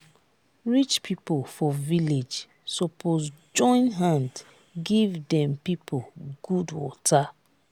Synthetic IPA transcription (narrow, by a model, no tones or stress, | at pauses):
ɹit͡ʃpʰipofɔviled͡ʒ | sɔpʰozd͡ʒɔ̃ɪ̃nɦãnd | ɡivdɛ̃mpipʰoɡ̥udwɔtʰa